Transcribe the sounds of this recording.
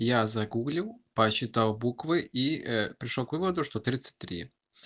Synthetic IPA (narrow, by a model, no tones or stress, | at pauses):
jazɐɡuɡlʲɪlˠpɐɕːɪt̪alˠbukvɨʔipɾʲɪʂlˠokvɨvəd̪ʊʂt̪ot̪ɾʲit̪sɨ̥t̚ʲt̪ːɾʲḭ